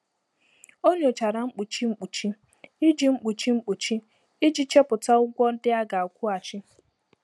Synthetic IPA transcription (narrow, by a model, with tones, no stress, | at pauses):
o˦ɲe˨o˨t͡ʃa˨ɾa˨ŋ͡m̩˦k͡pu˨t͡ʃi˦ŋ͡m̩˦k͡pu˨t͡ʃi˦ | i˦d͡ʒi˨ŋ͡m̩˦k͡pu˨t͡ʃi˦ŋ͡m̩˦k͡pu˨t͡ʃi˦ | i˦d͡ʒi˦t͡ʃe˦pʊ˨ta˦ʊ˦ɡʷɔ˦n̩˦dɪ˦a˦ɡa˨a˨kʷu˦a˨t͡ʃɪ˦